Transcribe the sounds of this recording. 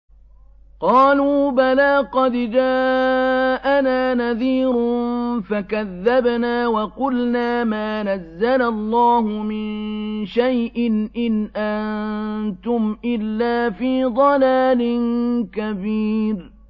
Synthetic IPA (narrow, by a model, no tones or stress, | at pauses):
qɑːluːbalaːqɑd̪d͡ʒaː | ʔanaːnaðiːɾfakaðːabnaːwɑqʊlnaːmaːnazːalalˤːaːhʊmɪnʃajʔɪnʔɪnʔannt̪ʊmʔɪlːaːfiːd̪ˤɑlaːlɪnkabiːɾ